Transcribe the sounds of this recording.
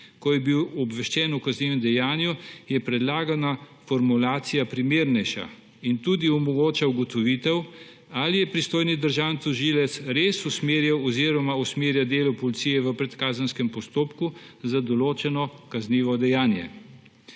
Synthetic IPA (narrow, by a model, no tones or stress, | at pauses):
kɔjɛbiwɔbʋɛʃt͡ʃɛːnukazniːʋɛmd̪ɛjaːnjujɛpɾɛd̪laːɡanafɔɾmulaːt̪sijapɾimeːɾnɛjʃa̰ | int̪ud̪iɔmɔɡoːt͡ʃauɡɔt̪ɔʋiːt̪ɛw | alijɛpɾist̪oːjnid̪əɾʒaːwnt̪ɔʒilɛt̪sɾeːsusmeɾjawɔziɾɔmausmeːɾjad̪eːlupɔlit̪sijɛʋəpɾɛt̪kaːzənskɛmpɔst̪oːpku | zad̪ɔloːt͡ʃɛnɔkazniːʋɔd̪ɛjaːnjɛ̰